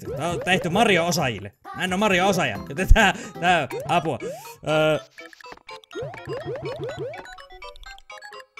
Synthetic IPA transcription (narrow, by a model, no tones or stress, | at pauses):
t̪ɑt̪eht̪ymɑrjoosɑjḭlːḛmænːomɑrjoosɑjɑ̰nt̪ːæt̪æːt̪æːɑpuɑ̰ʔəː